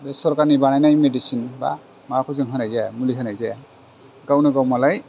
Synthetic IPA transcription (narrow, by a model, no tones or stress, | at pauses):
bɛsɔɹkanibanajnajmedisinba̰ | makʰɔziŋkʰanajzamulikʰanajza | ɡawnaɡawmalaj